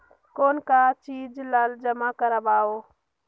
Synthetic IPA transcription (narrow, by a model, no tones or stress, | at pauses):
koːnkat͡ʃiːd͡ʒlald͡ʒəmakəɾəbaːoː